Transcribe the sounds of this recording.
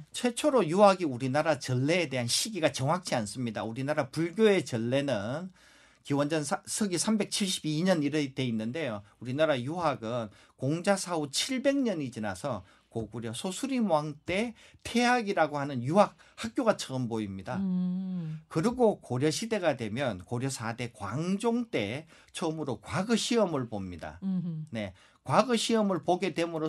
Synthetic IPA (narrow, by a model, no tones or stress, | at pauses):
t͡ɕʰwe̞t͡ɕʰoɾojuɦaɡiuɾinaɾat͡ɕʌɭːe̞ːde̞ɦanɕʰiɡiɡat͡ɕʌŋɦak̚t͡ɕ͈ians͈ɯmɲidauɾinaɾapuɭɡjoe̞t͡ɕʌɭːe̞nɯn | kiwʌnd͡ʑʌnsʰsʰɯɡisʰambe̞k̚t͡ɕʰiɭɕ͈ibiɲʌniɾede̞inːɯnde̞jouɾinaɾajuɦaɡɯn | koŋd͡ʑasʰaut͡ɕʰiɭbe̞ŋɲʌɲid͡ʑina̰sʰʌ | koɡuɾjʌsʰosʰuɾimwaŋt͈e̞ | tʰe̞ɦaɡiɾaɡohanɯnjuɦak̚hak̚k͈joɡat͡ɕʰʌɯmboimɲida | kɯɾiɡokoɾjʌɕʰide̞ɡadwe̞mjʌnkoɾjʌsʰade̞kwaŋd͡ʑoŋt͈e̞ | t͡ɕʰʌmɯɾokwaɡɯɕʰiʌmɯɭpomɲida̰ne̞ | kwaɡɯɕʰiʌmɯɭpoɡede̞mɯɾo